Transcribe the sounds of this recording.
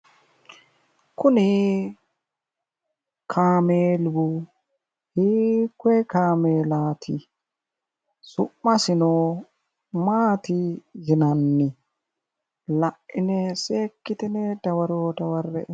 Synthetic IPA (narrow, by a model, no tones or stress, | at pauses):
kʊnɪ | kʰaːmeːlbʊ | hiːkːwɛkaːmeːlaːt̪ʰɪ | sʊʔːɐsɪno | maːt̪ɪjɪnɐnːɪ | lɐʔʔɪnɛseːkːɪt̪ɪnɛd̪ɐwɐɾoːd̪ɐwɐrːɛʔ